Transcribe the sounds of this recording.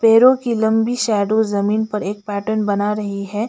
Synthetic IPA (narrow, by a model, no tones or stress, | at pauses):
peːɾõkilɐ̃mbiʃɛːɖozɐmiːnpɐɾeːk̚pɛːʈəɾnbɐnaɾɐɦiɦɛː